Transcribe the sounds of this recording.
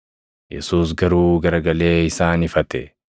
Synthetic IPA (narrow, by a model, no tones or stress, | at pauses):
jɛ̰suːs̬ɡɐɾuːɡɐɾɐɡɐle̞ːɪsaːnɪfɐt̪ɛ